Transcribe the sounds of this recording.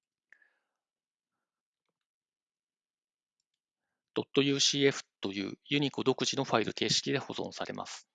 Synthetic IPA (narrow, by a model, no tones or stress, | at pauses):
d̪̥o̞t̪ːo̞jɯ̟ːɕiːe̞ɸɯ̥t̪o̞jɯ̟̰ːjɯ̟ɲ̟ikod̪o̞kɯ̟ʑino̞ɸaiɾɯ̟̰t̪e̞ːɕi̥kʲid̪e̞ho̞zõ̞̰saɾe̞̰mʔa̰sɨ̥